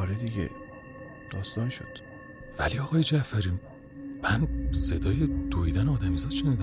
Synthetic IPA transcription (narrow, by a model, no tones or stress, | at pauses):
ɒɾed̪iɡḛ | d̪̥ɒːst̪ɒːnʃo̰d̪̥ | væ̰liɒɣɒːjed͡ʒæfæɾiː | mænse̞d̪ɒːjed̪̥oiːd̪æneɒːd̪æmizɒːt̪ʃeniːd̪æ